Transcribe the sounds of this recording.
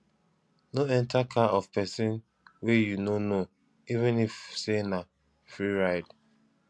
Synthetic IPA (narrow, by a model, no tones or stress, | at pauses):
noɛ̃ntakʰaɔv̥pɛsɪ̃n | wejunono | ivɪ̃nifsena | fɹiɹaɪd